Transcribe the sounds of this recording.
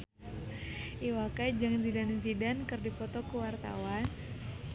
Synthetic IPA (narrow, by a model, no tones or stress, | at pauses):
iwakajd͡ʒaŋnsidaninsidɛnkɨrdifɔt̪ɔkuwart̪a̰wan